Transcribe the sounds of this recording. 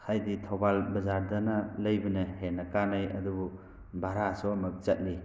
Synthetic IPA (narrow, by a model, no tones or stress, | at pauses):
kʰajditʰɔbalbɐzaɾdanalɐjbɐnɯhenɐkanajɐ̰dubu | baɾasɔmɐk̚t͡ʃɐt̚li